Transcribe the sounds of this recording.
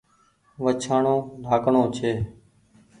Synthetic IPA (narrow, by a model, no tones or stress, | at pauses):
ʋət͡ʃʰaːɳõːɖʱaːkɳõːt͡ʃʰeː